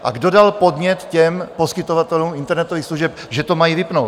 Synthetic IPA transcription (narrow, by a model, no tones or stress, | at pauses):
ʔa̰ɡdodalpod̪ɲɛt̪cɛmposkɪt̪ovat̪ɛluːmɪnt̪ɛɾnɛt̪oviːxsluʒɛp | ʒɛt̪omajivɪpnowt̪